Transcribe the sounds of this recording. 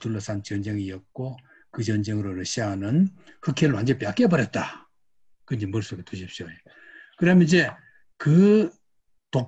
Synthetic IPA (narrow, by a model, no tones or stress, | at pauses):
tuɭːʌs͈ʰant͡ɕʌnd͡ʑeŋijʌt̚k͈o | kɯt͡ɕʌnd͡ʑeŋɯɾoɾʌɕ͈ʰiaɦanɯn | hɯkʰeɭoand͡ʑep͈jak͈ebʌɾjʌt̚t͈a | kɯnd͡ʑemʌɭs͈oɡetuɕʰip̚ɕ͈joe | kɯɾamjʌnid͡ʑe | kɯ | to